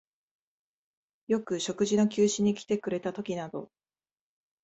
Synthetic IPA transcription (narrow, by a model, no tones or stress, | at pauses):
jo̞kɯ̟ɕo̞kɯ̟ʑino̞kʲɨːɕiɲ̟ːikʲi̥t̪e̞kɯ̟ɾe̞t̪at̪o̞kʲinad̪o̞̰